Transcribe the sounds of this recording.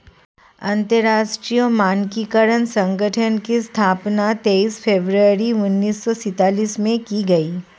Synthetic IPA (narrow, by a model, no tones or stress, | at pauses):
ɐ̃nt̪əɾaːʃʈɾijomaːnkikəɾənsɐ̃ŋɡəʈʰənkist̪ʰaːpnat̪eːiːspʰeːbɾəɾiʊnːiːsːɔsɪt̪aːliːsmẽkiɡɐiː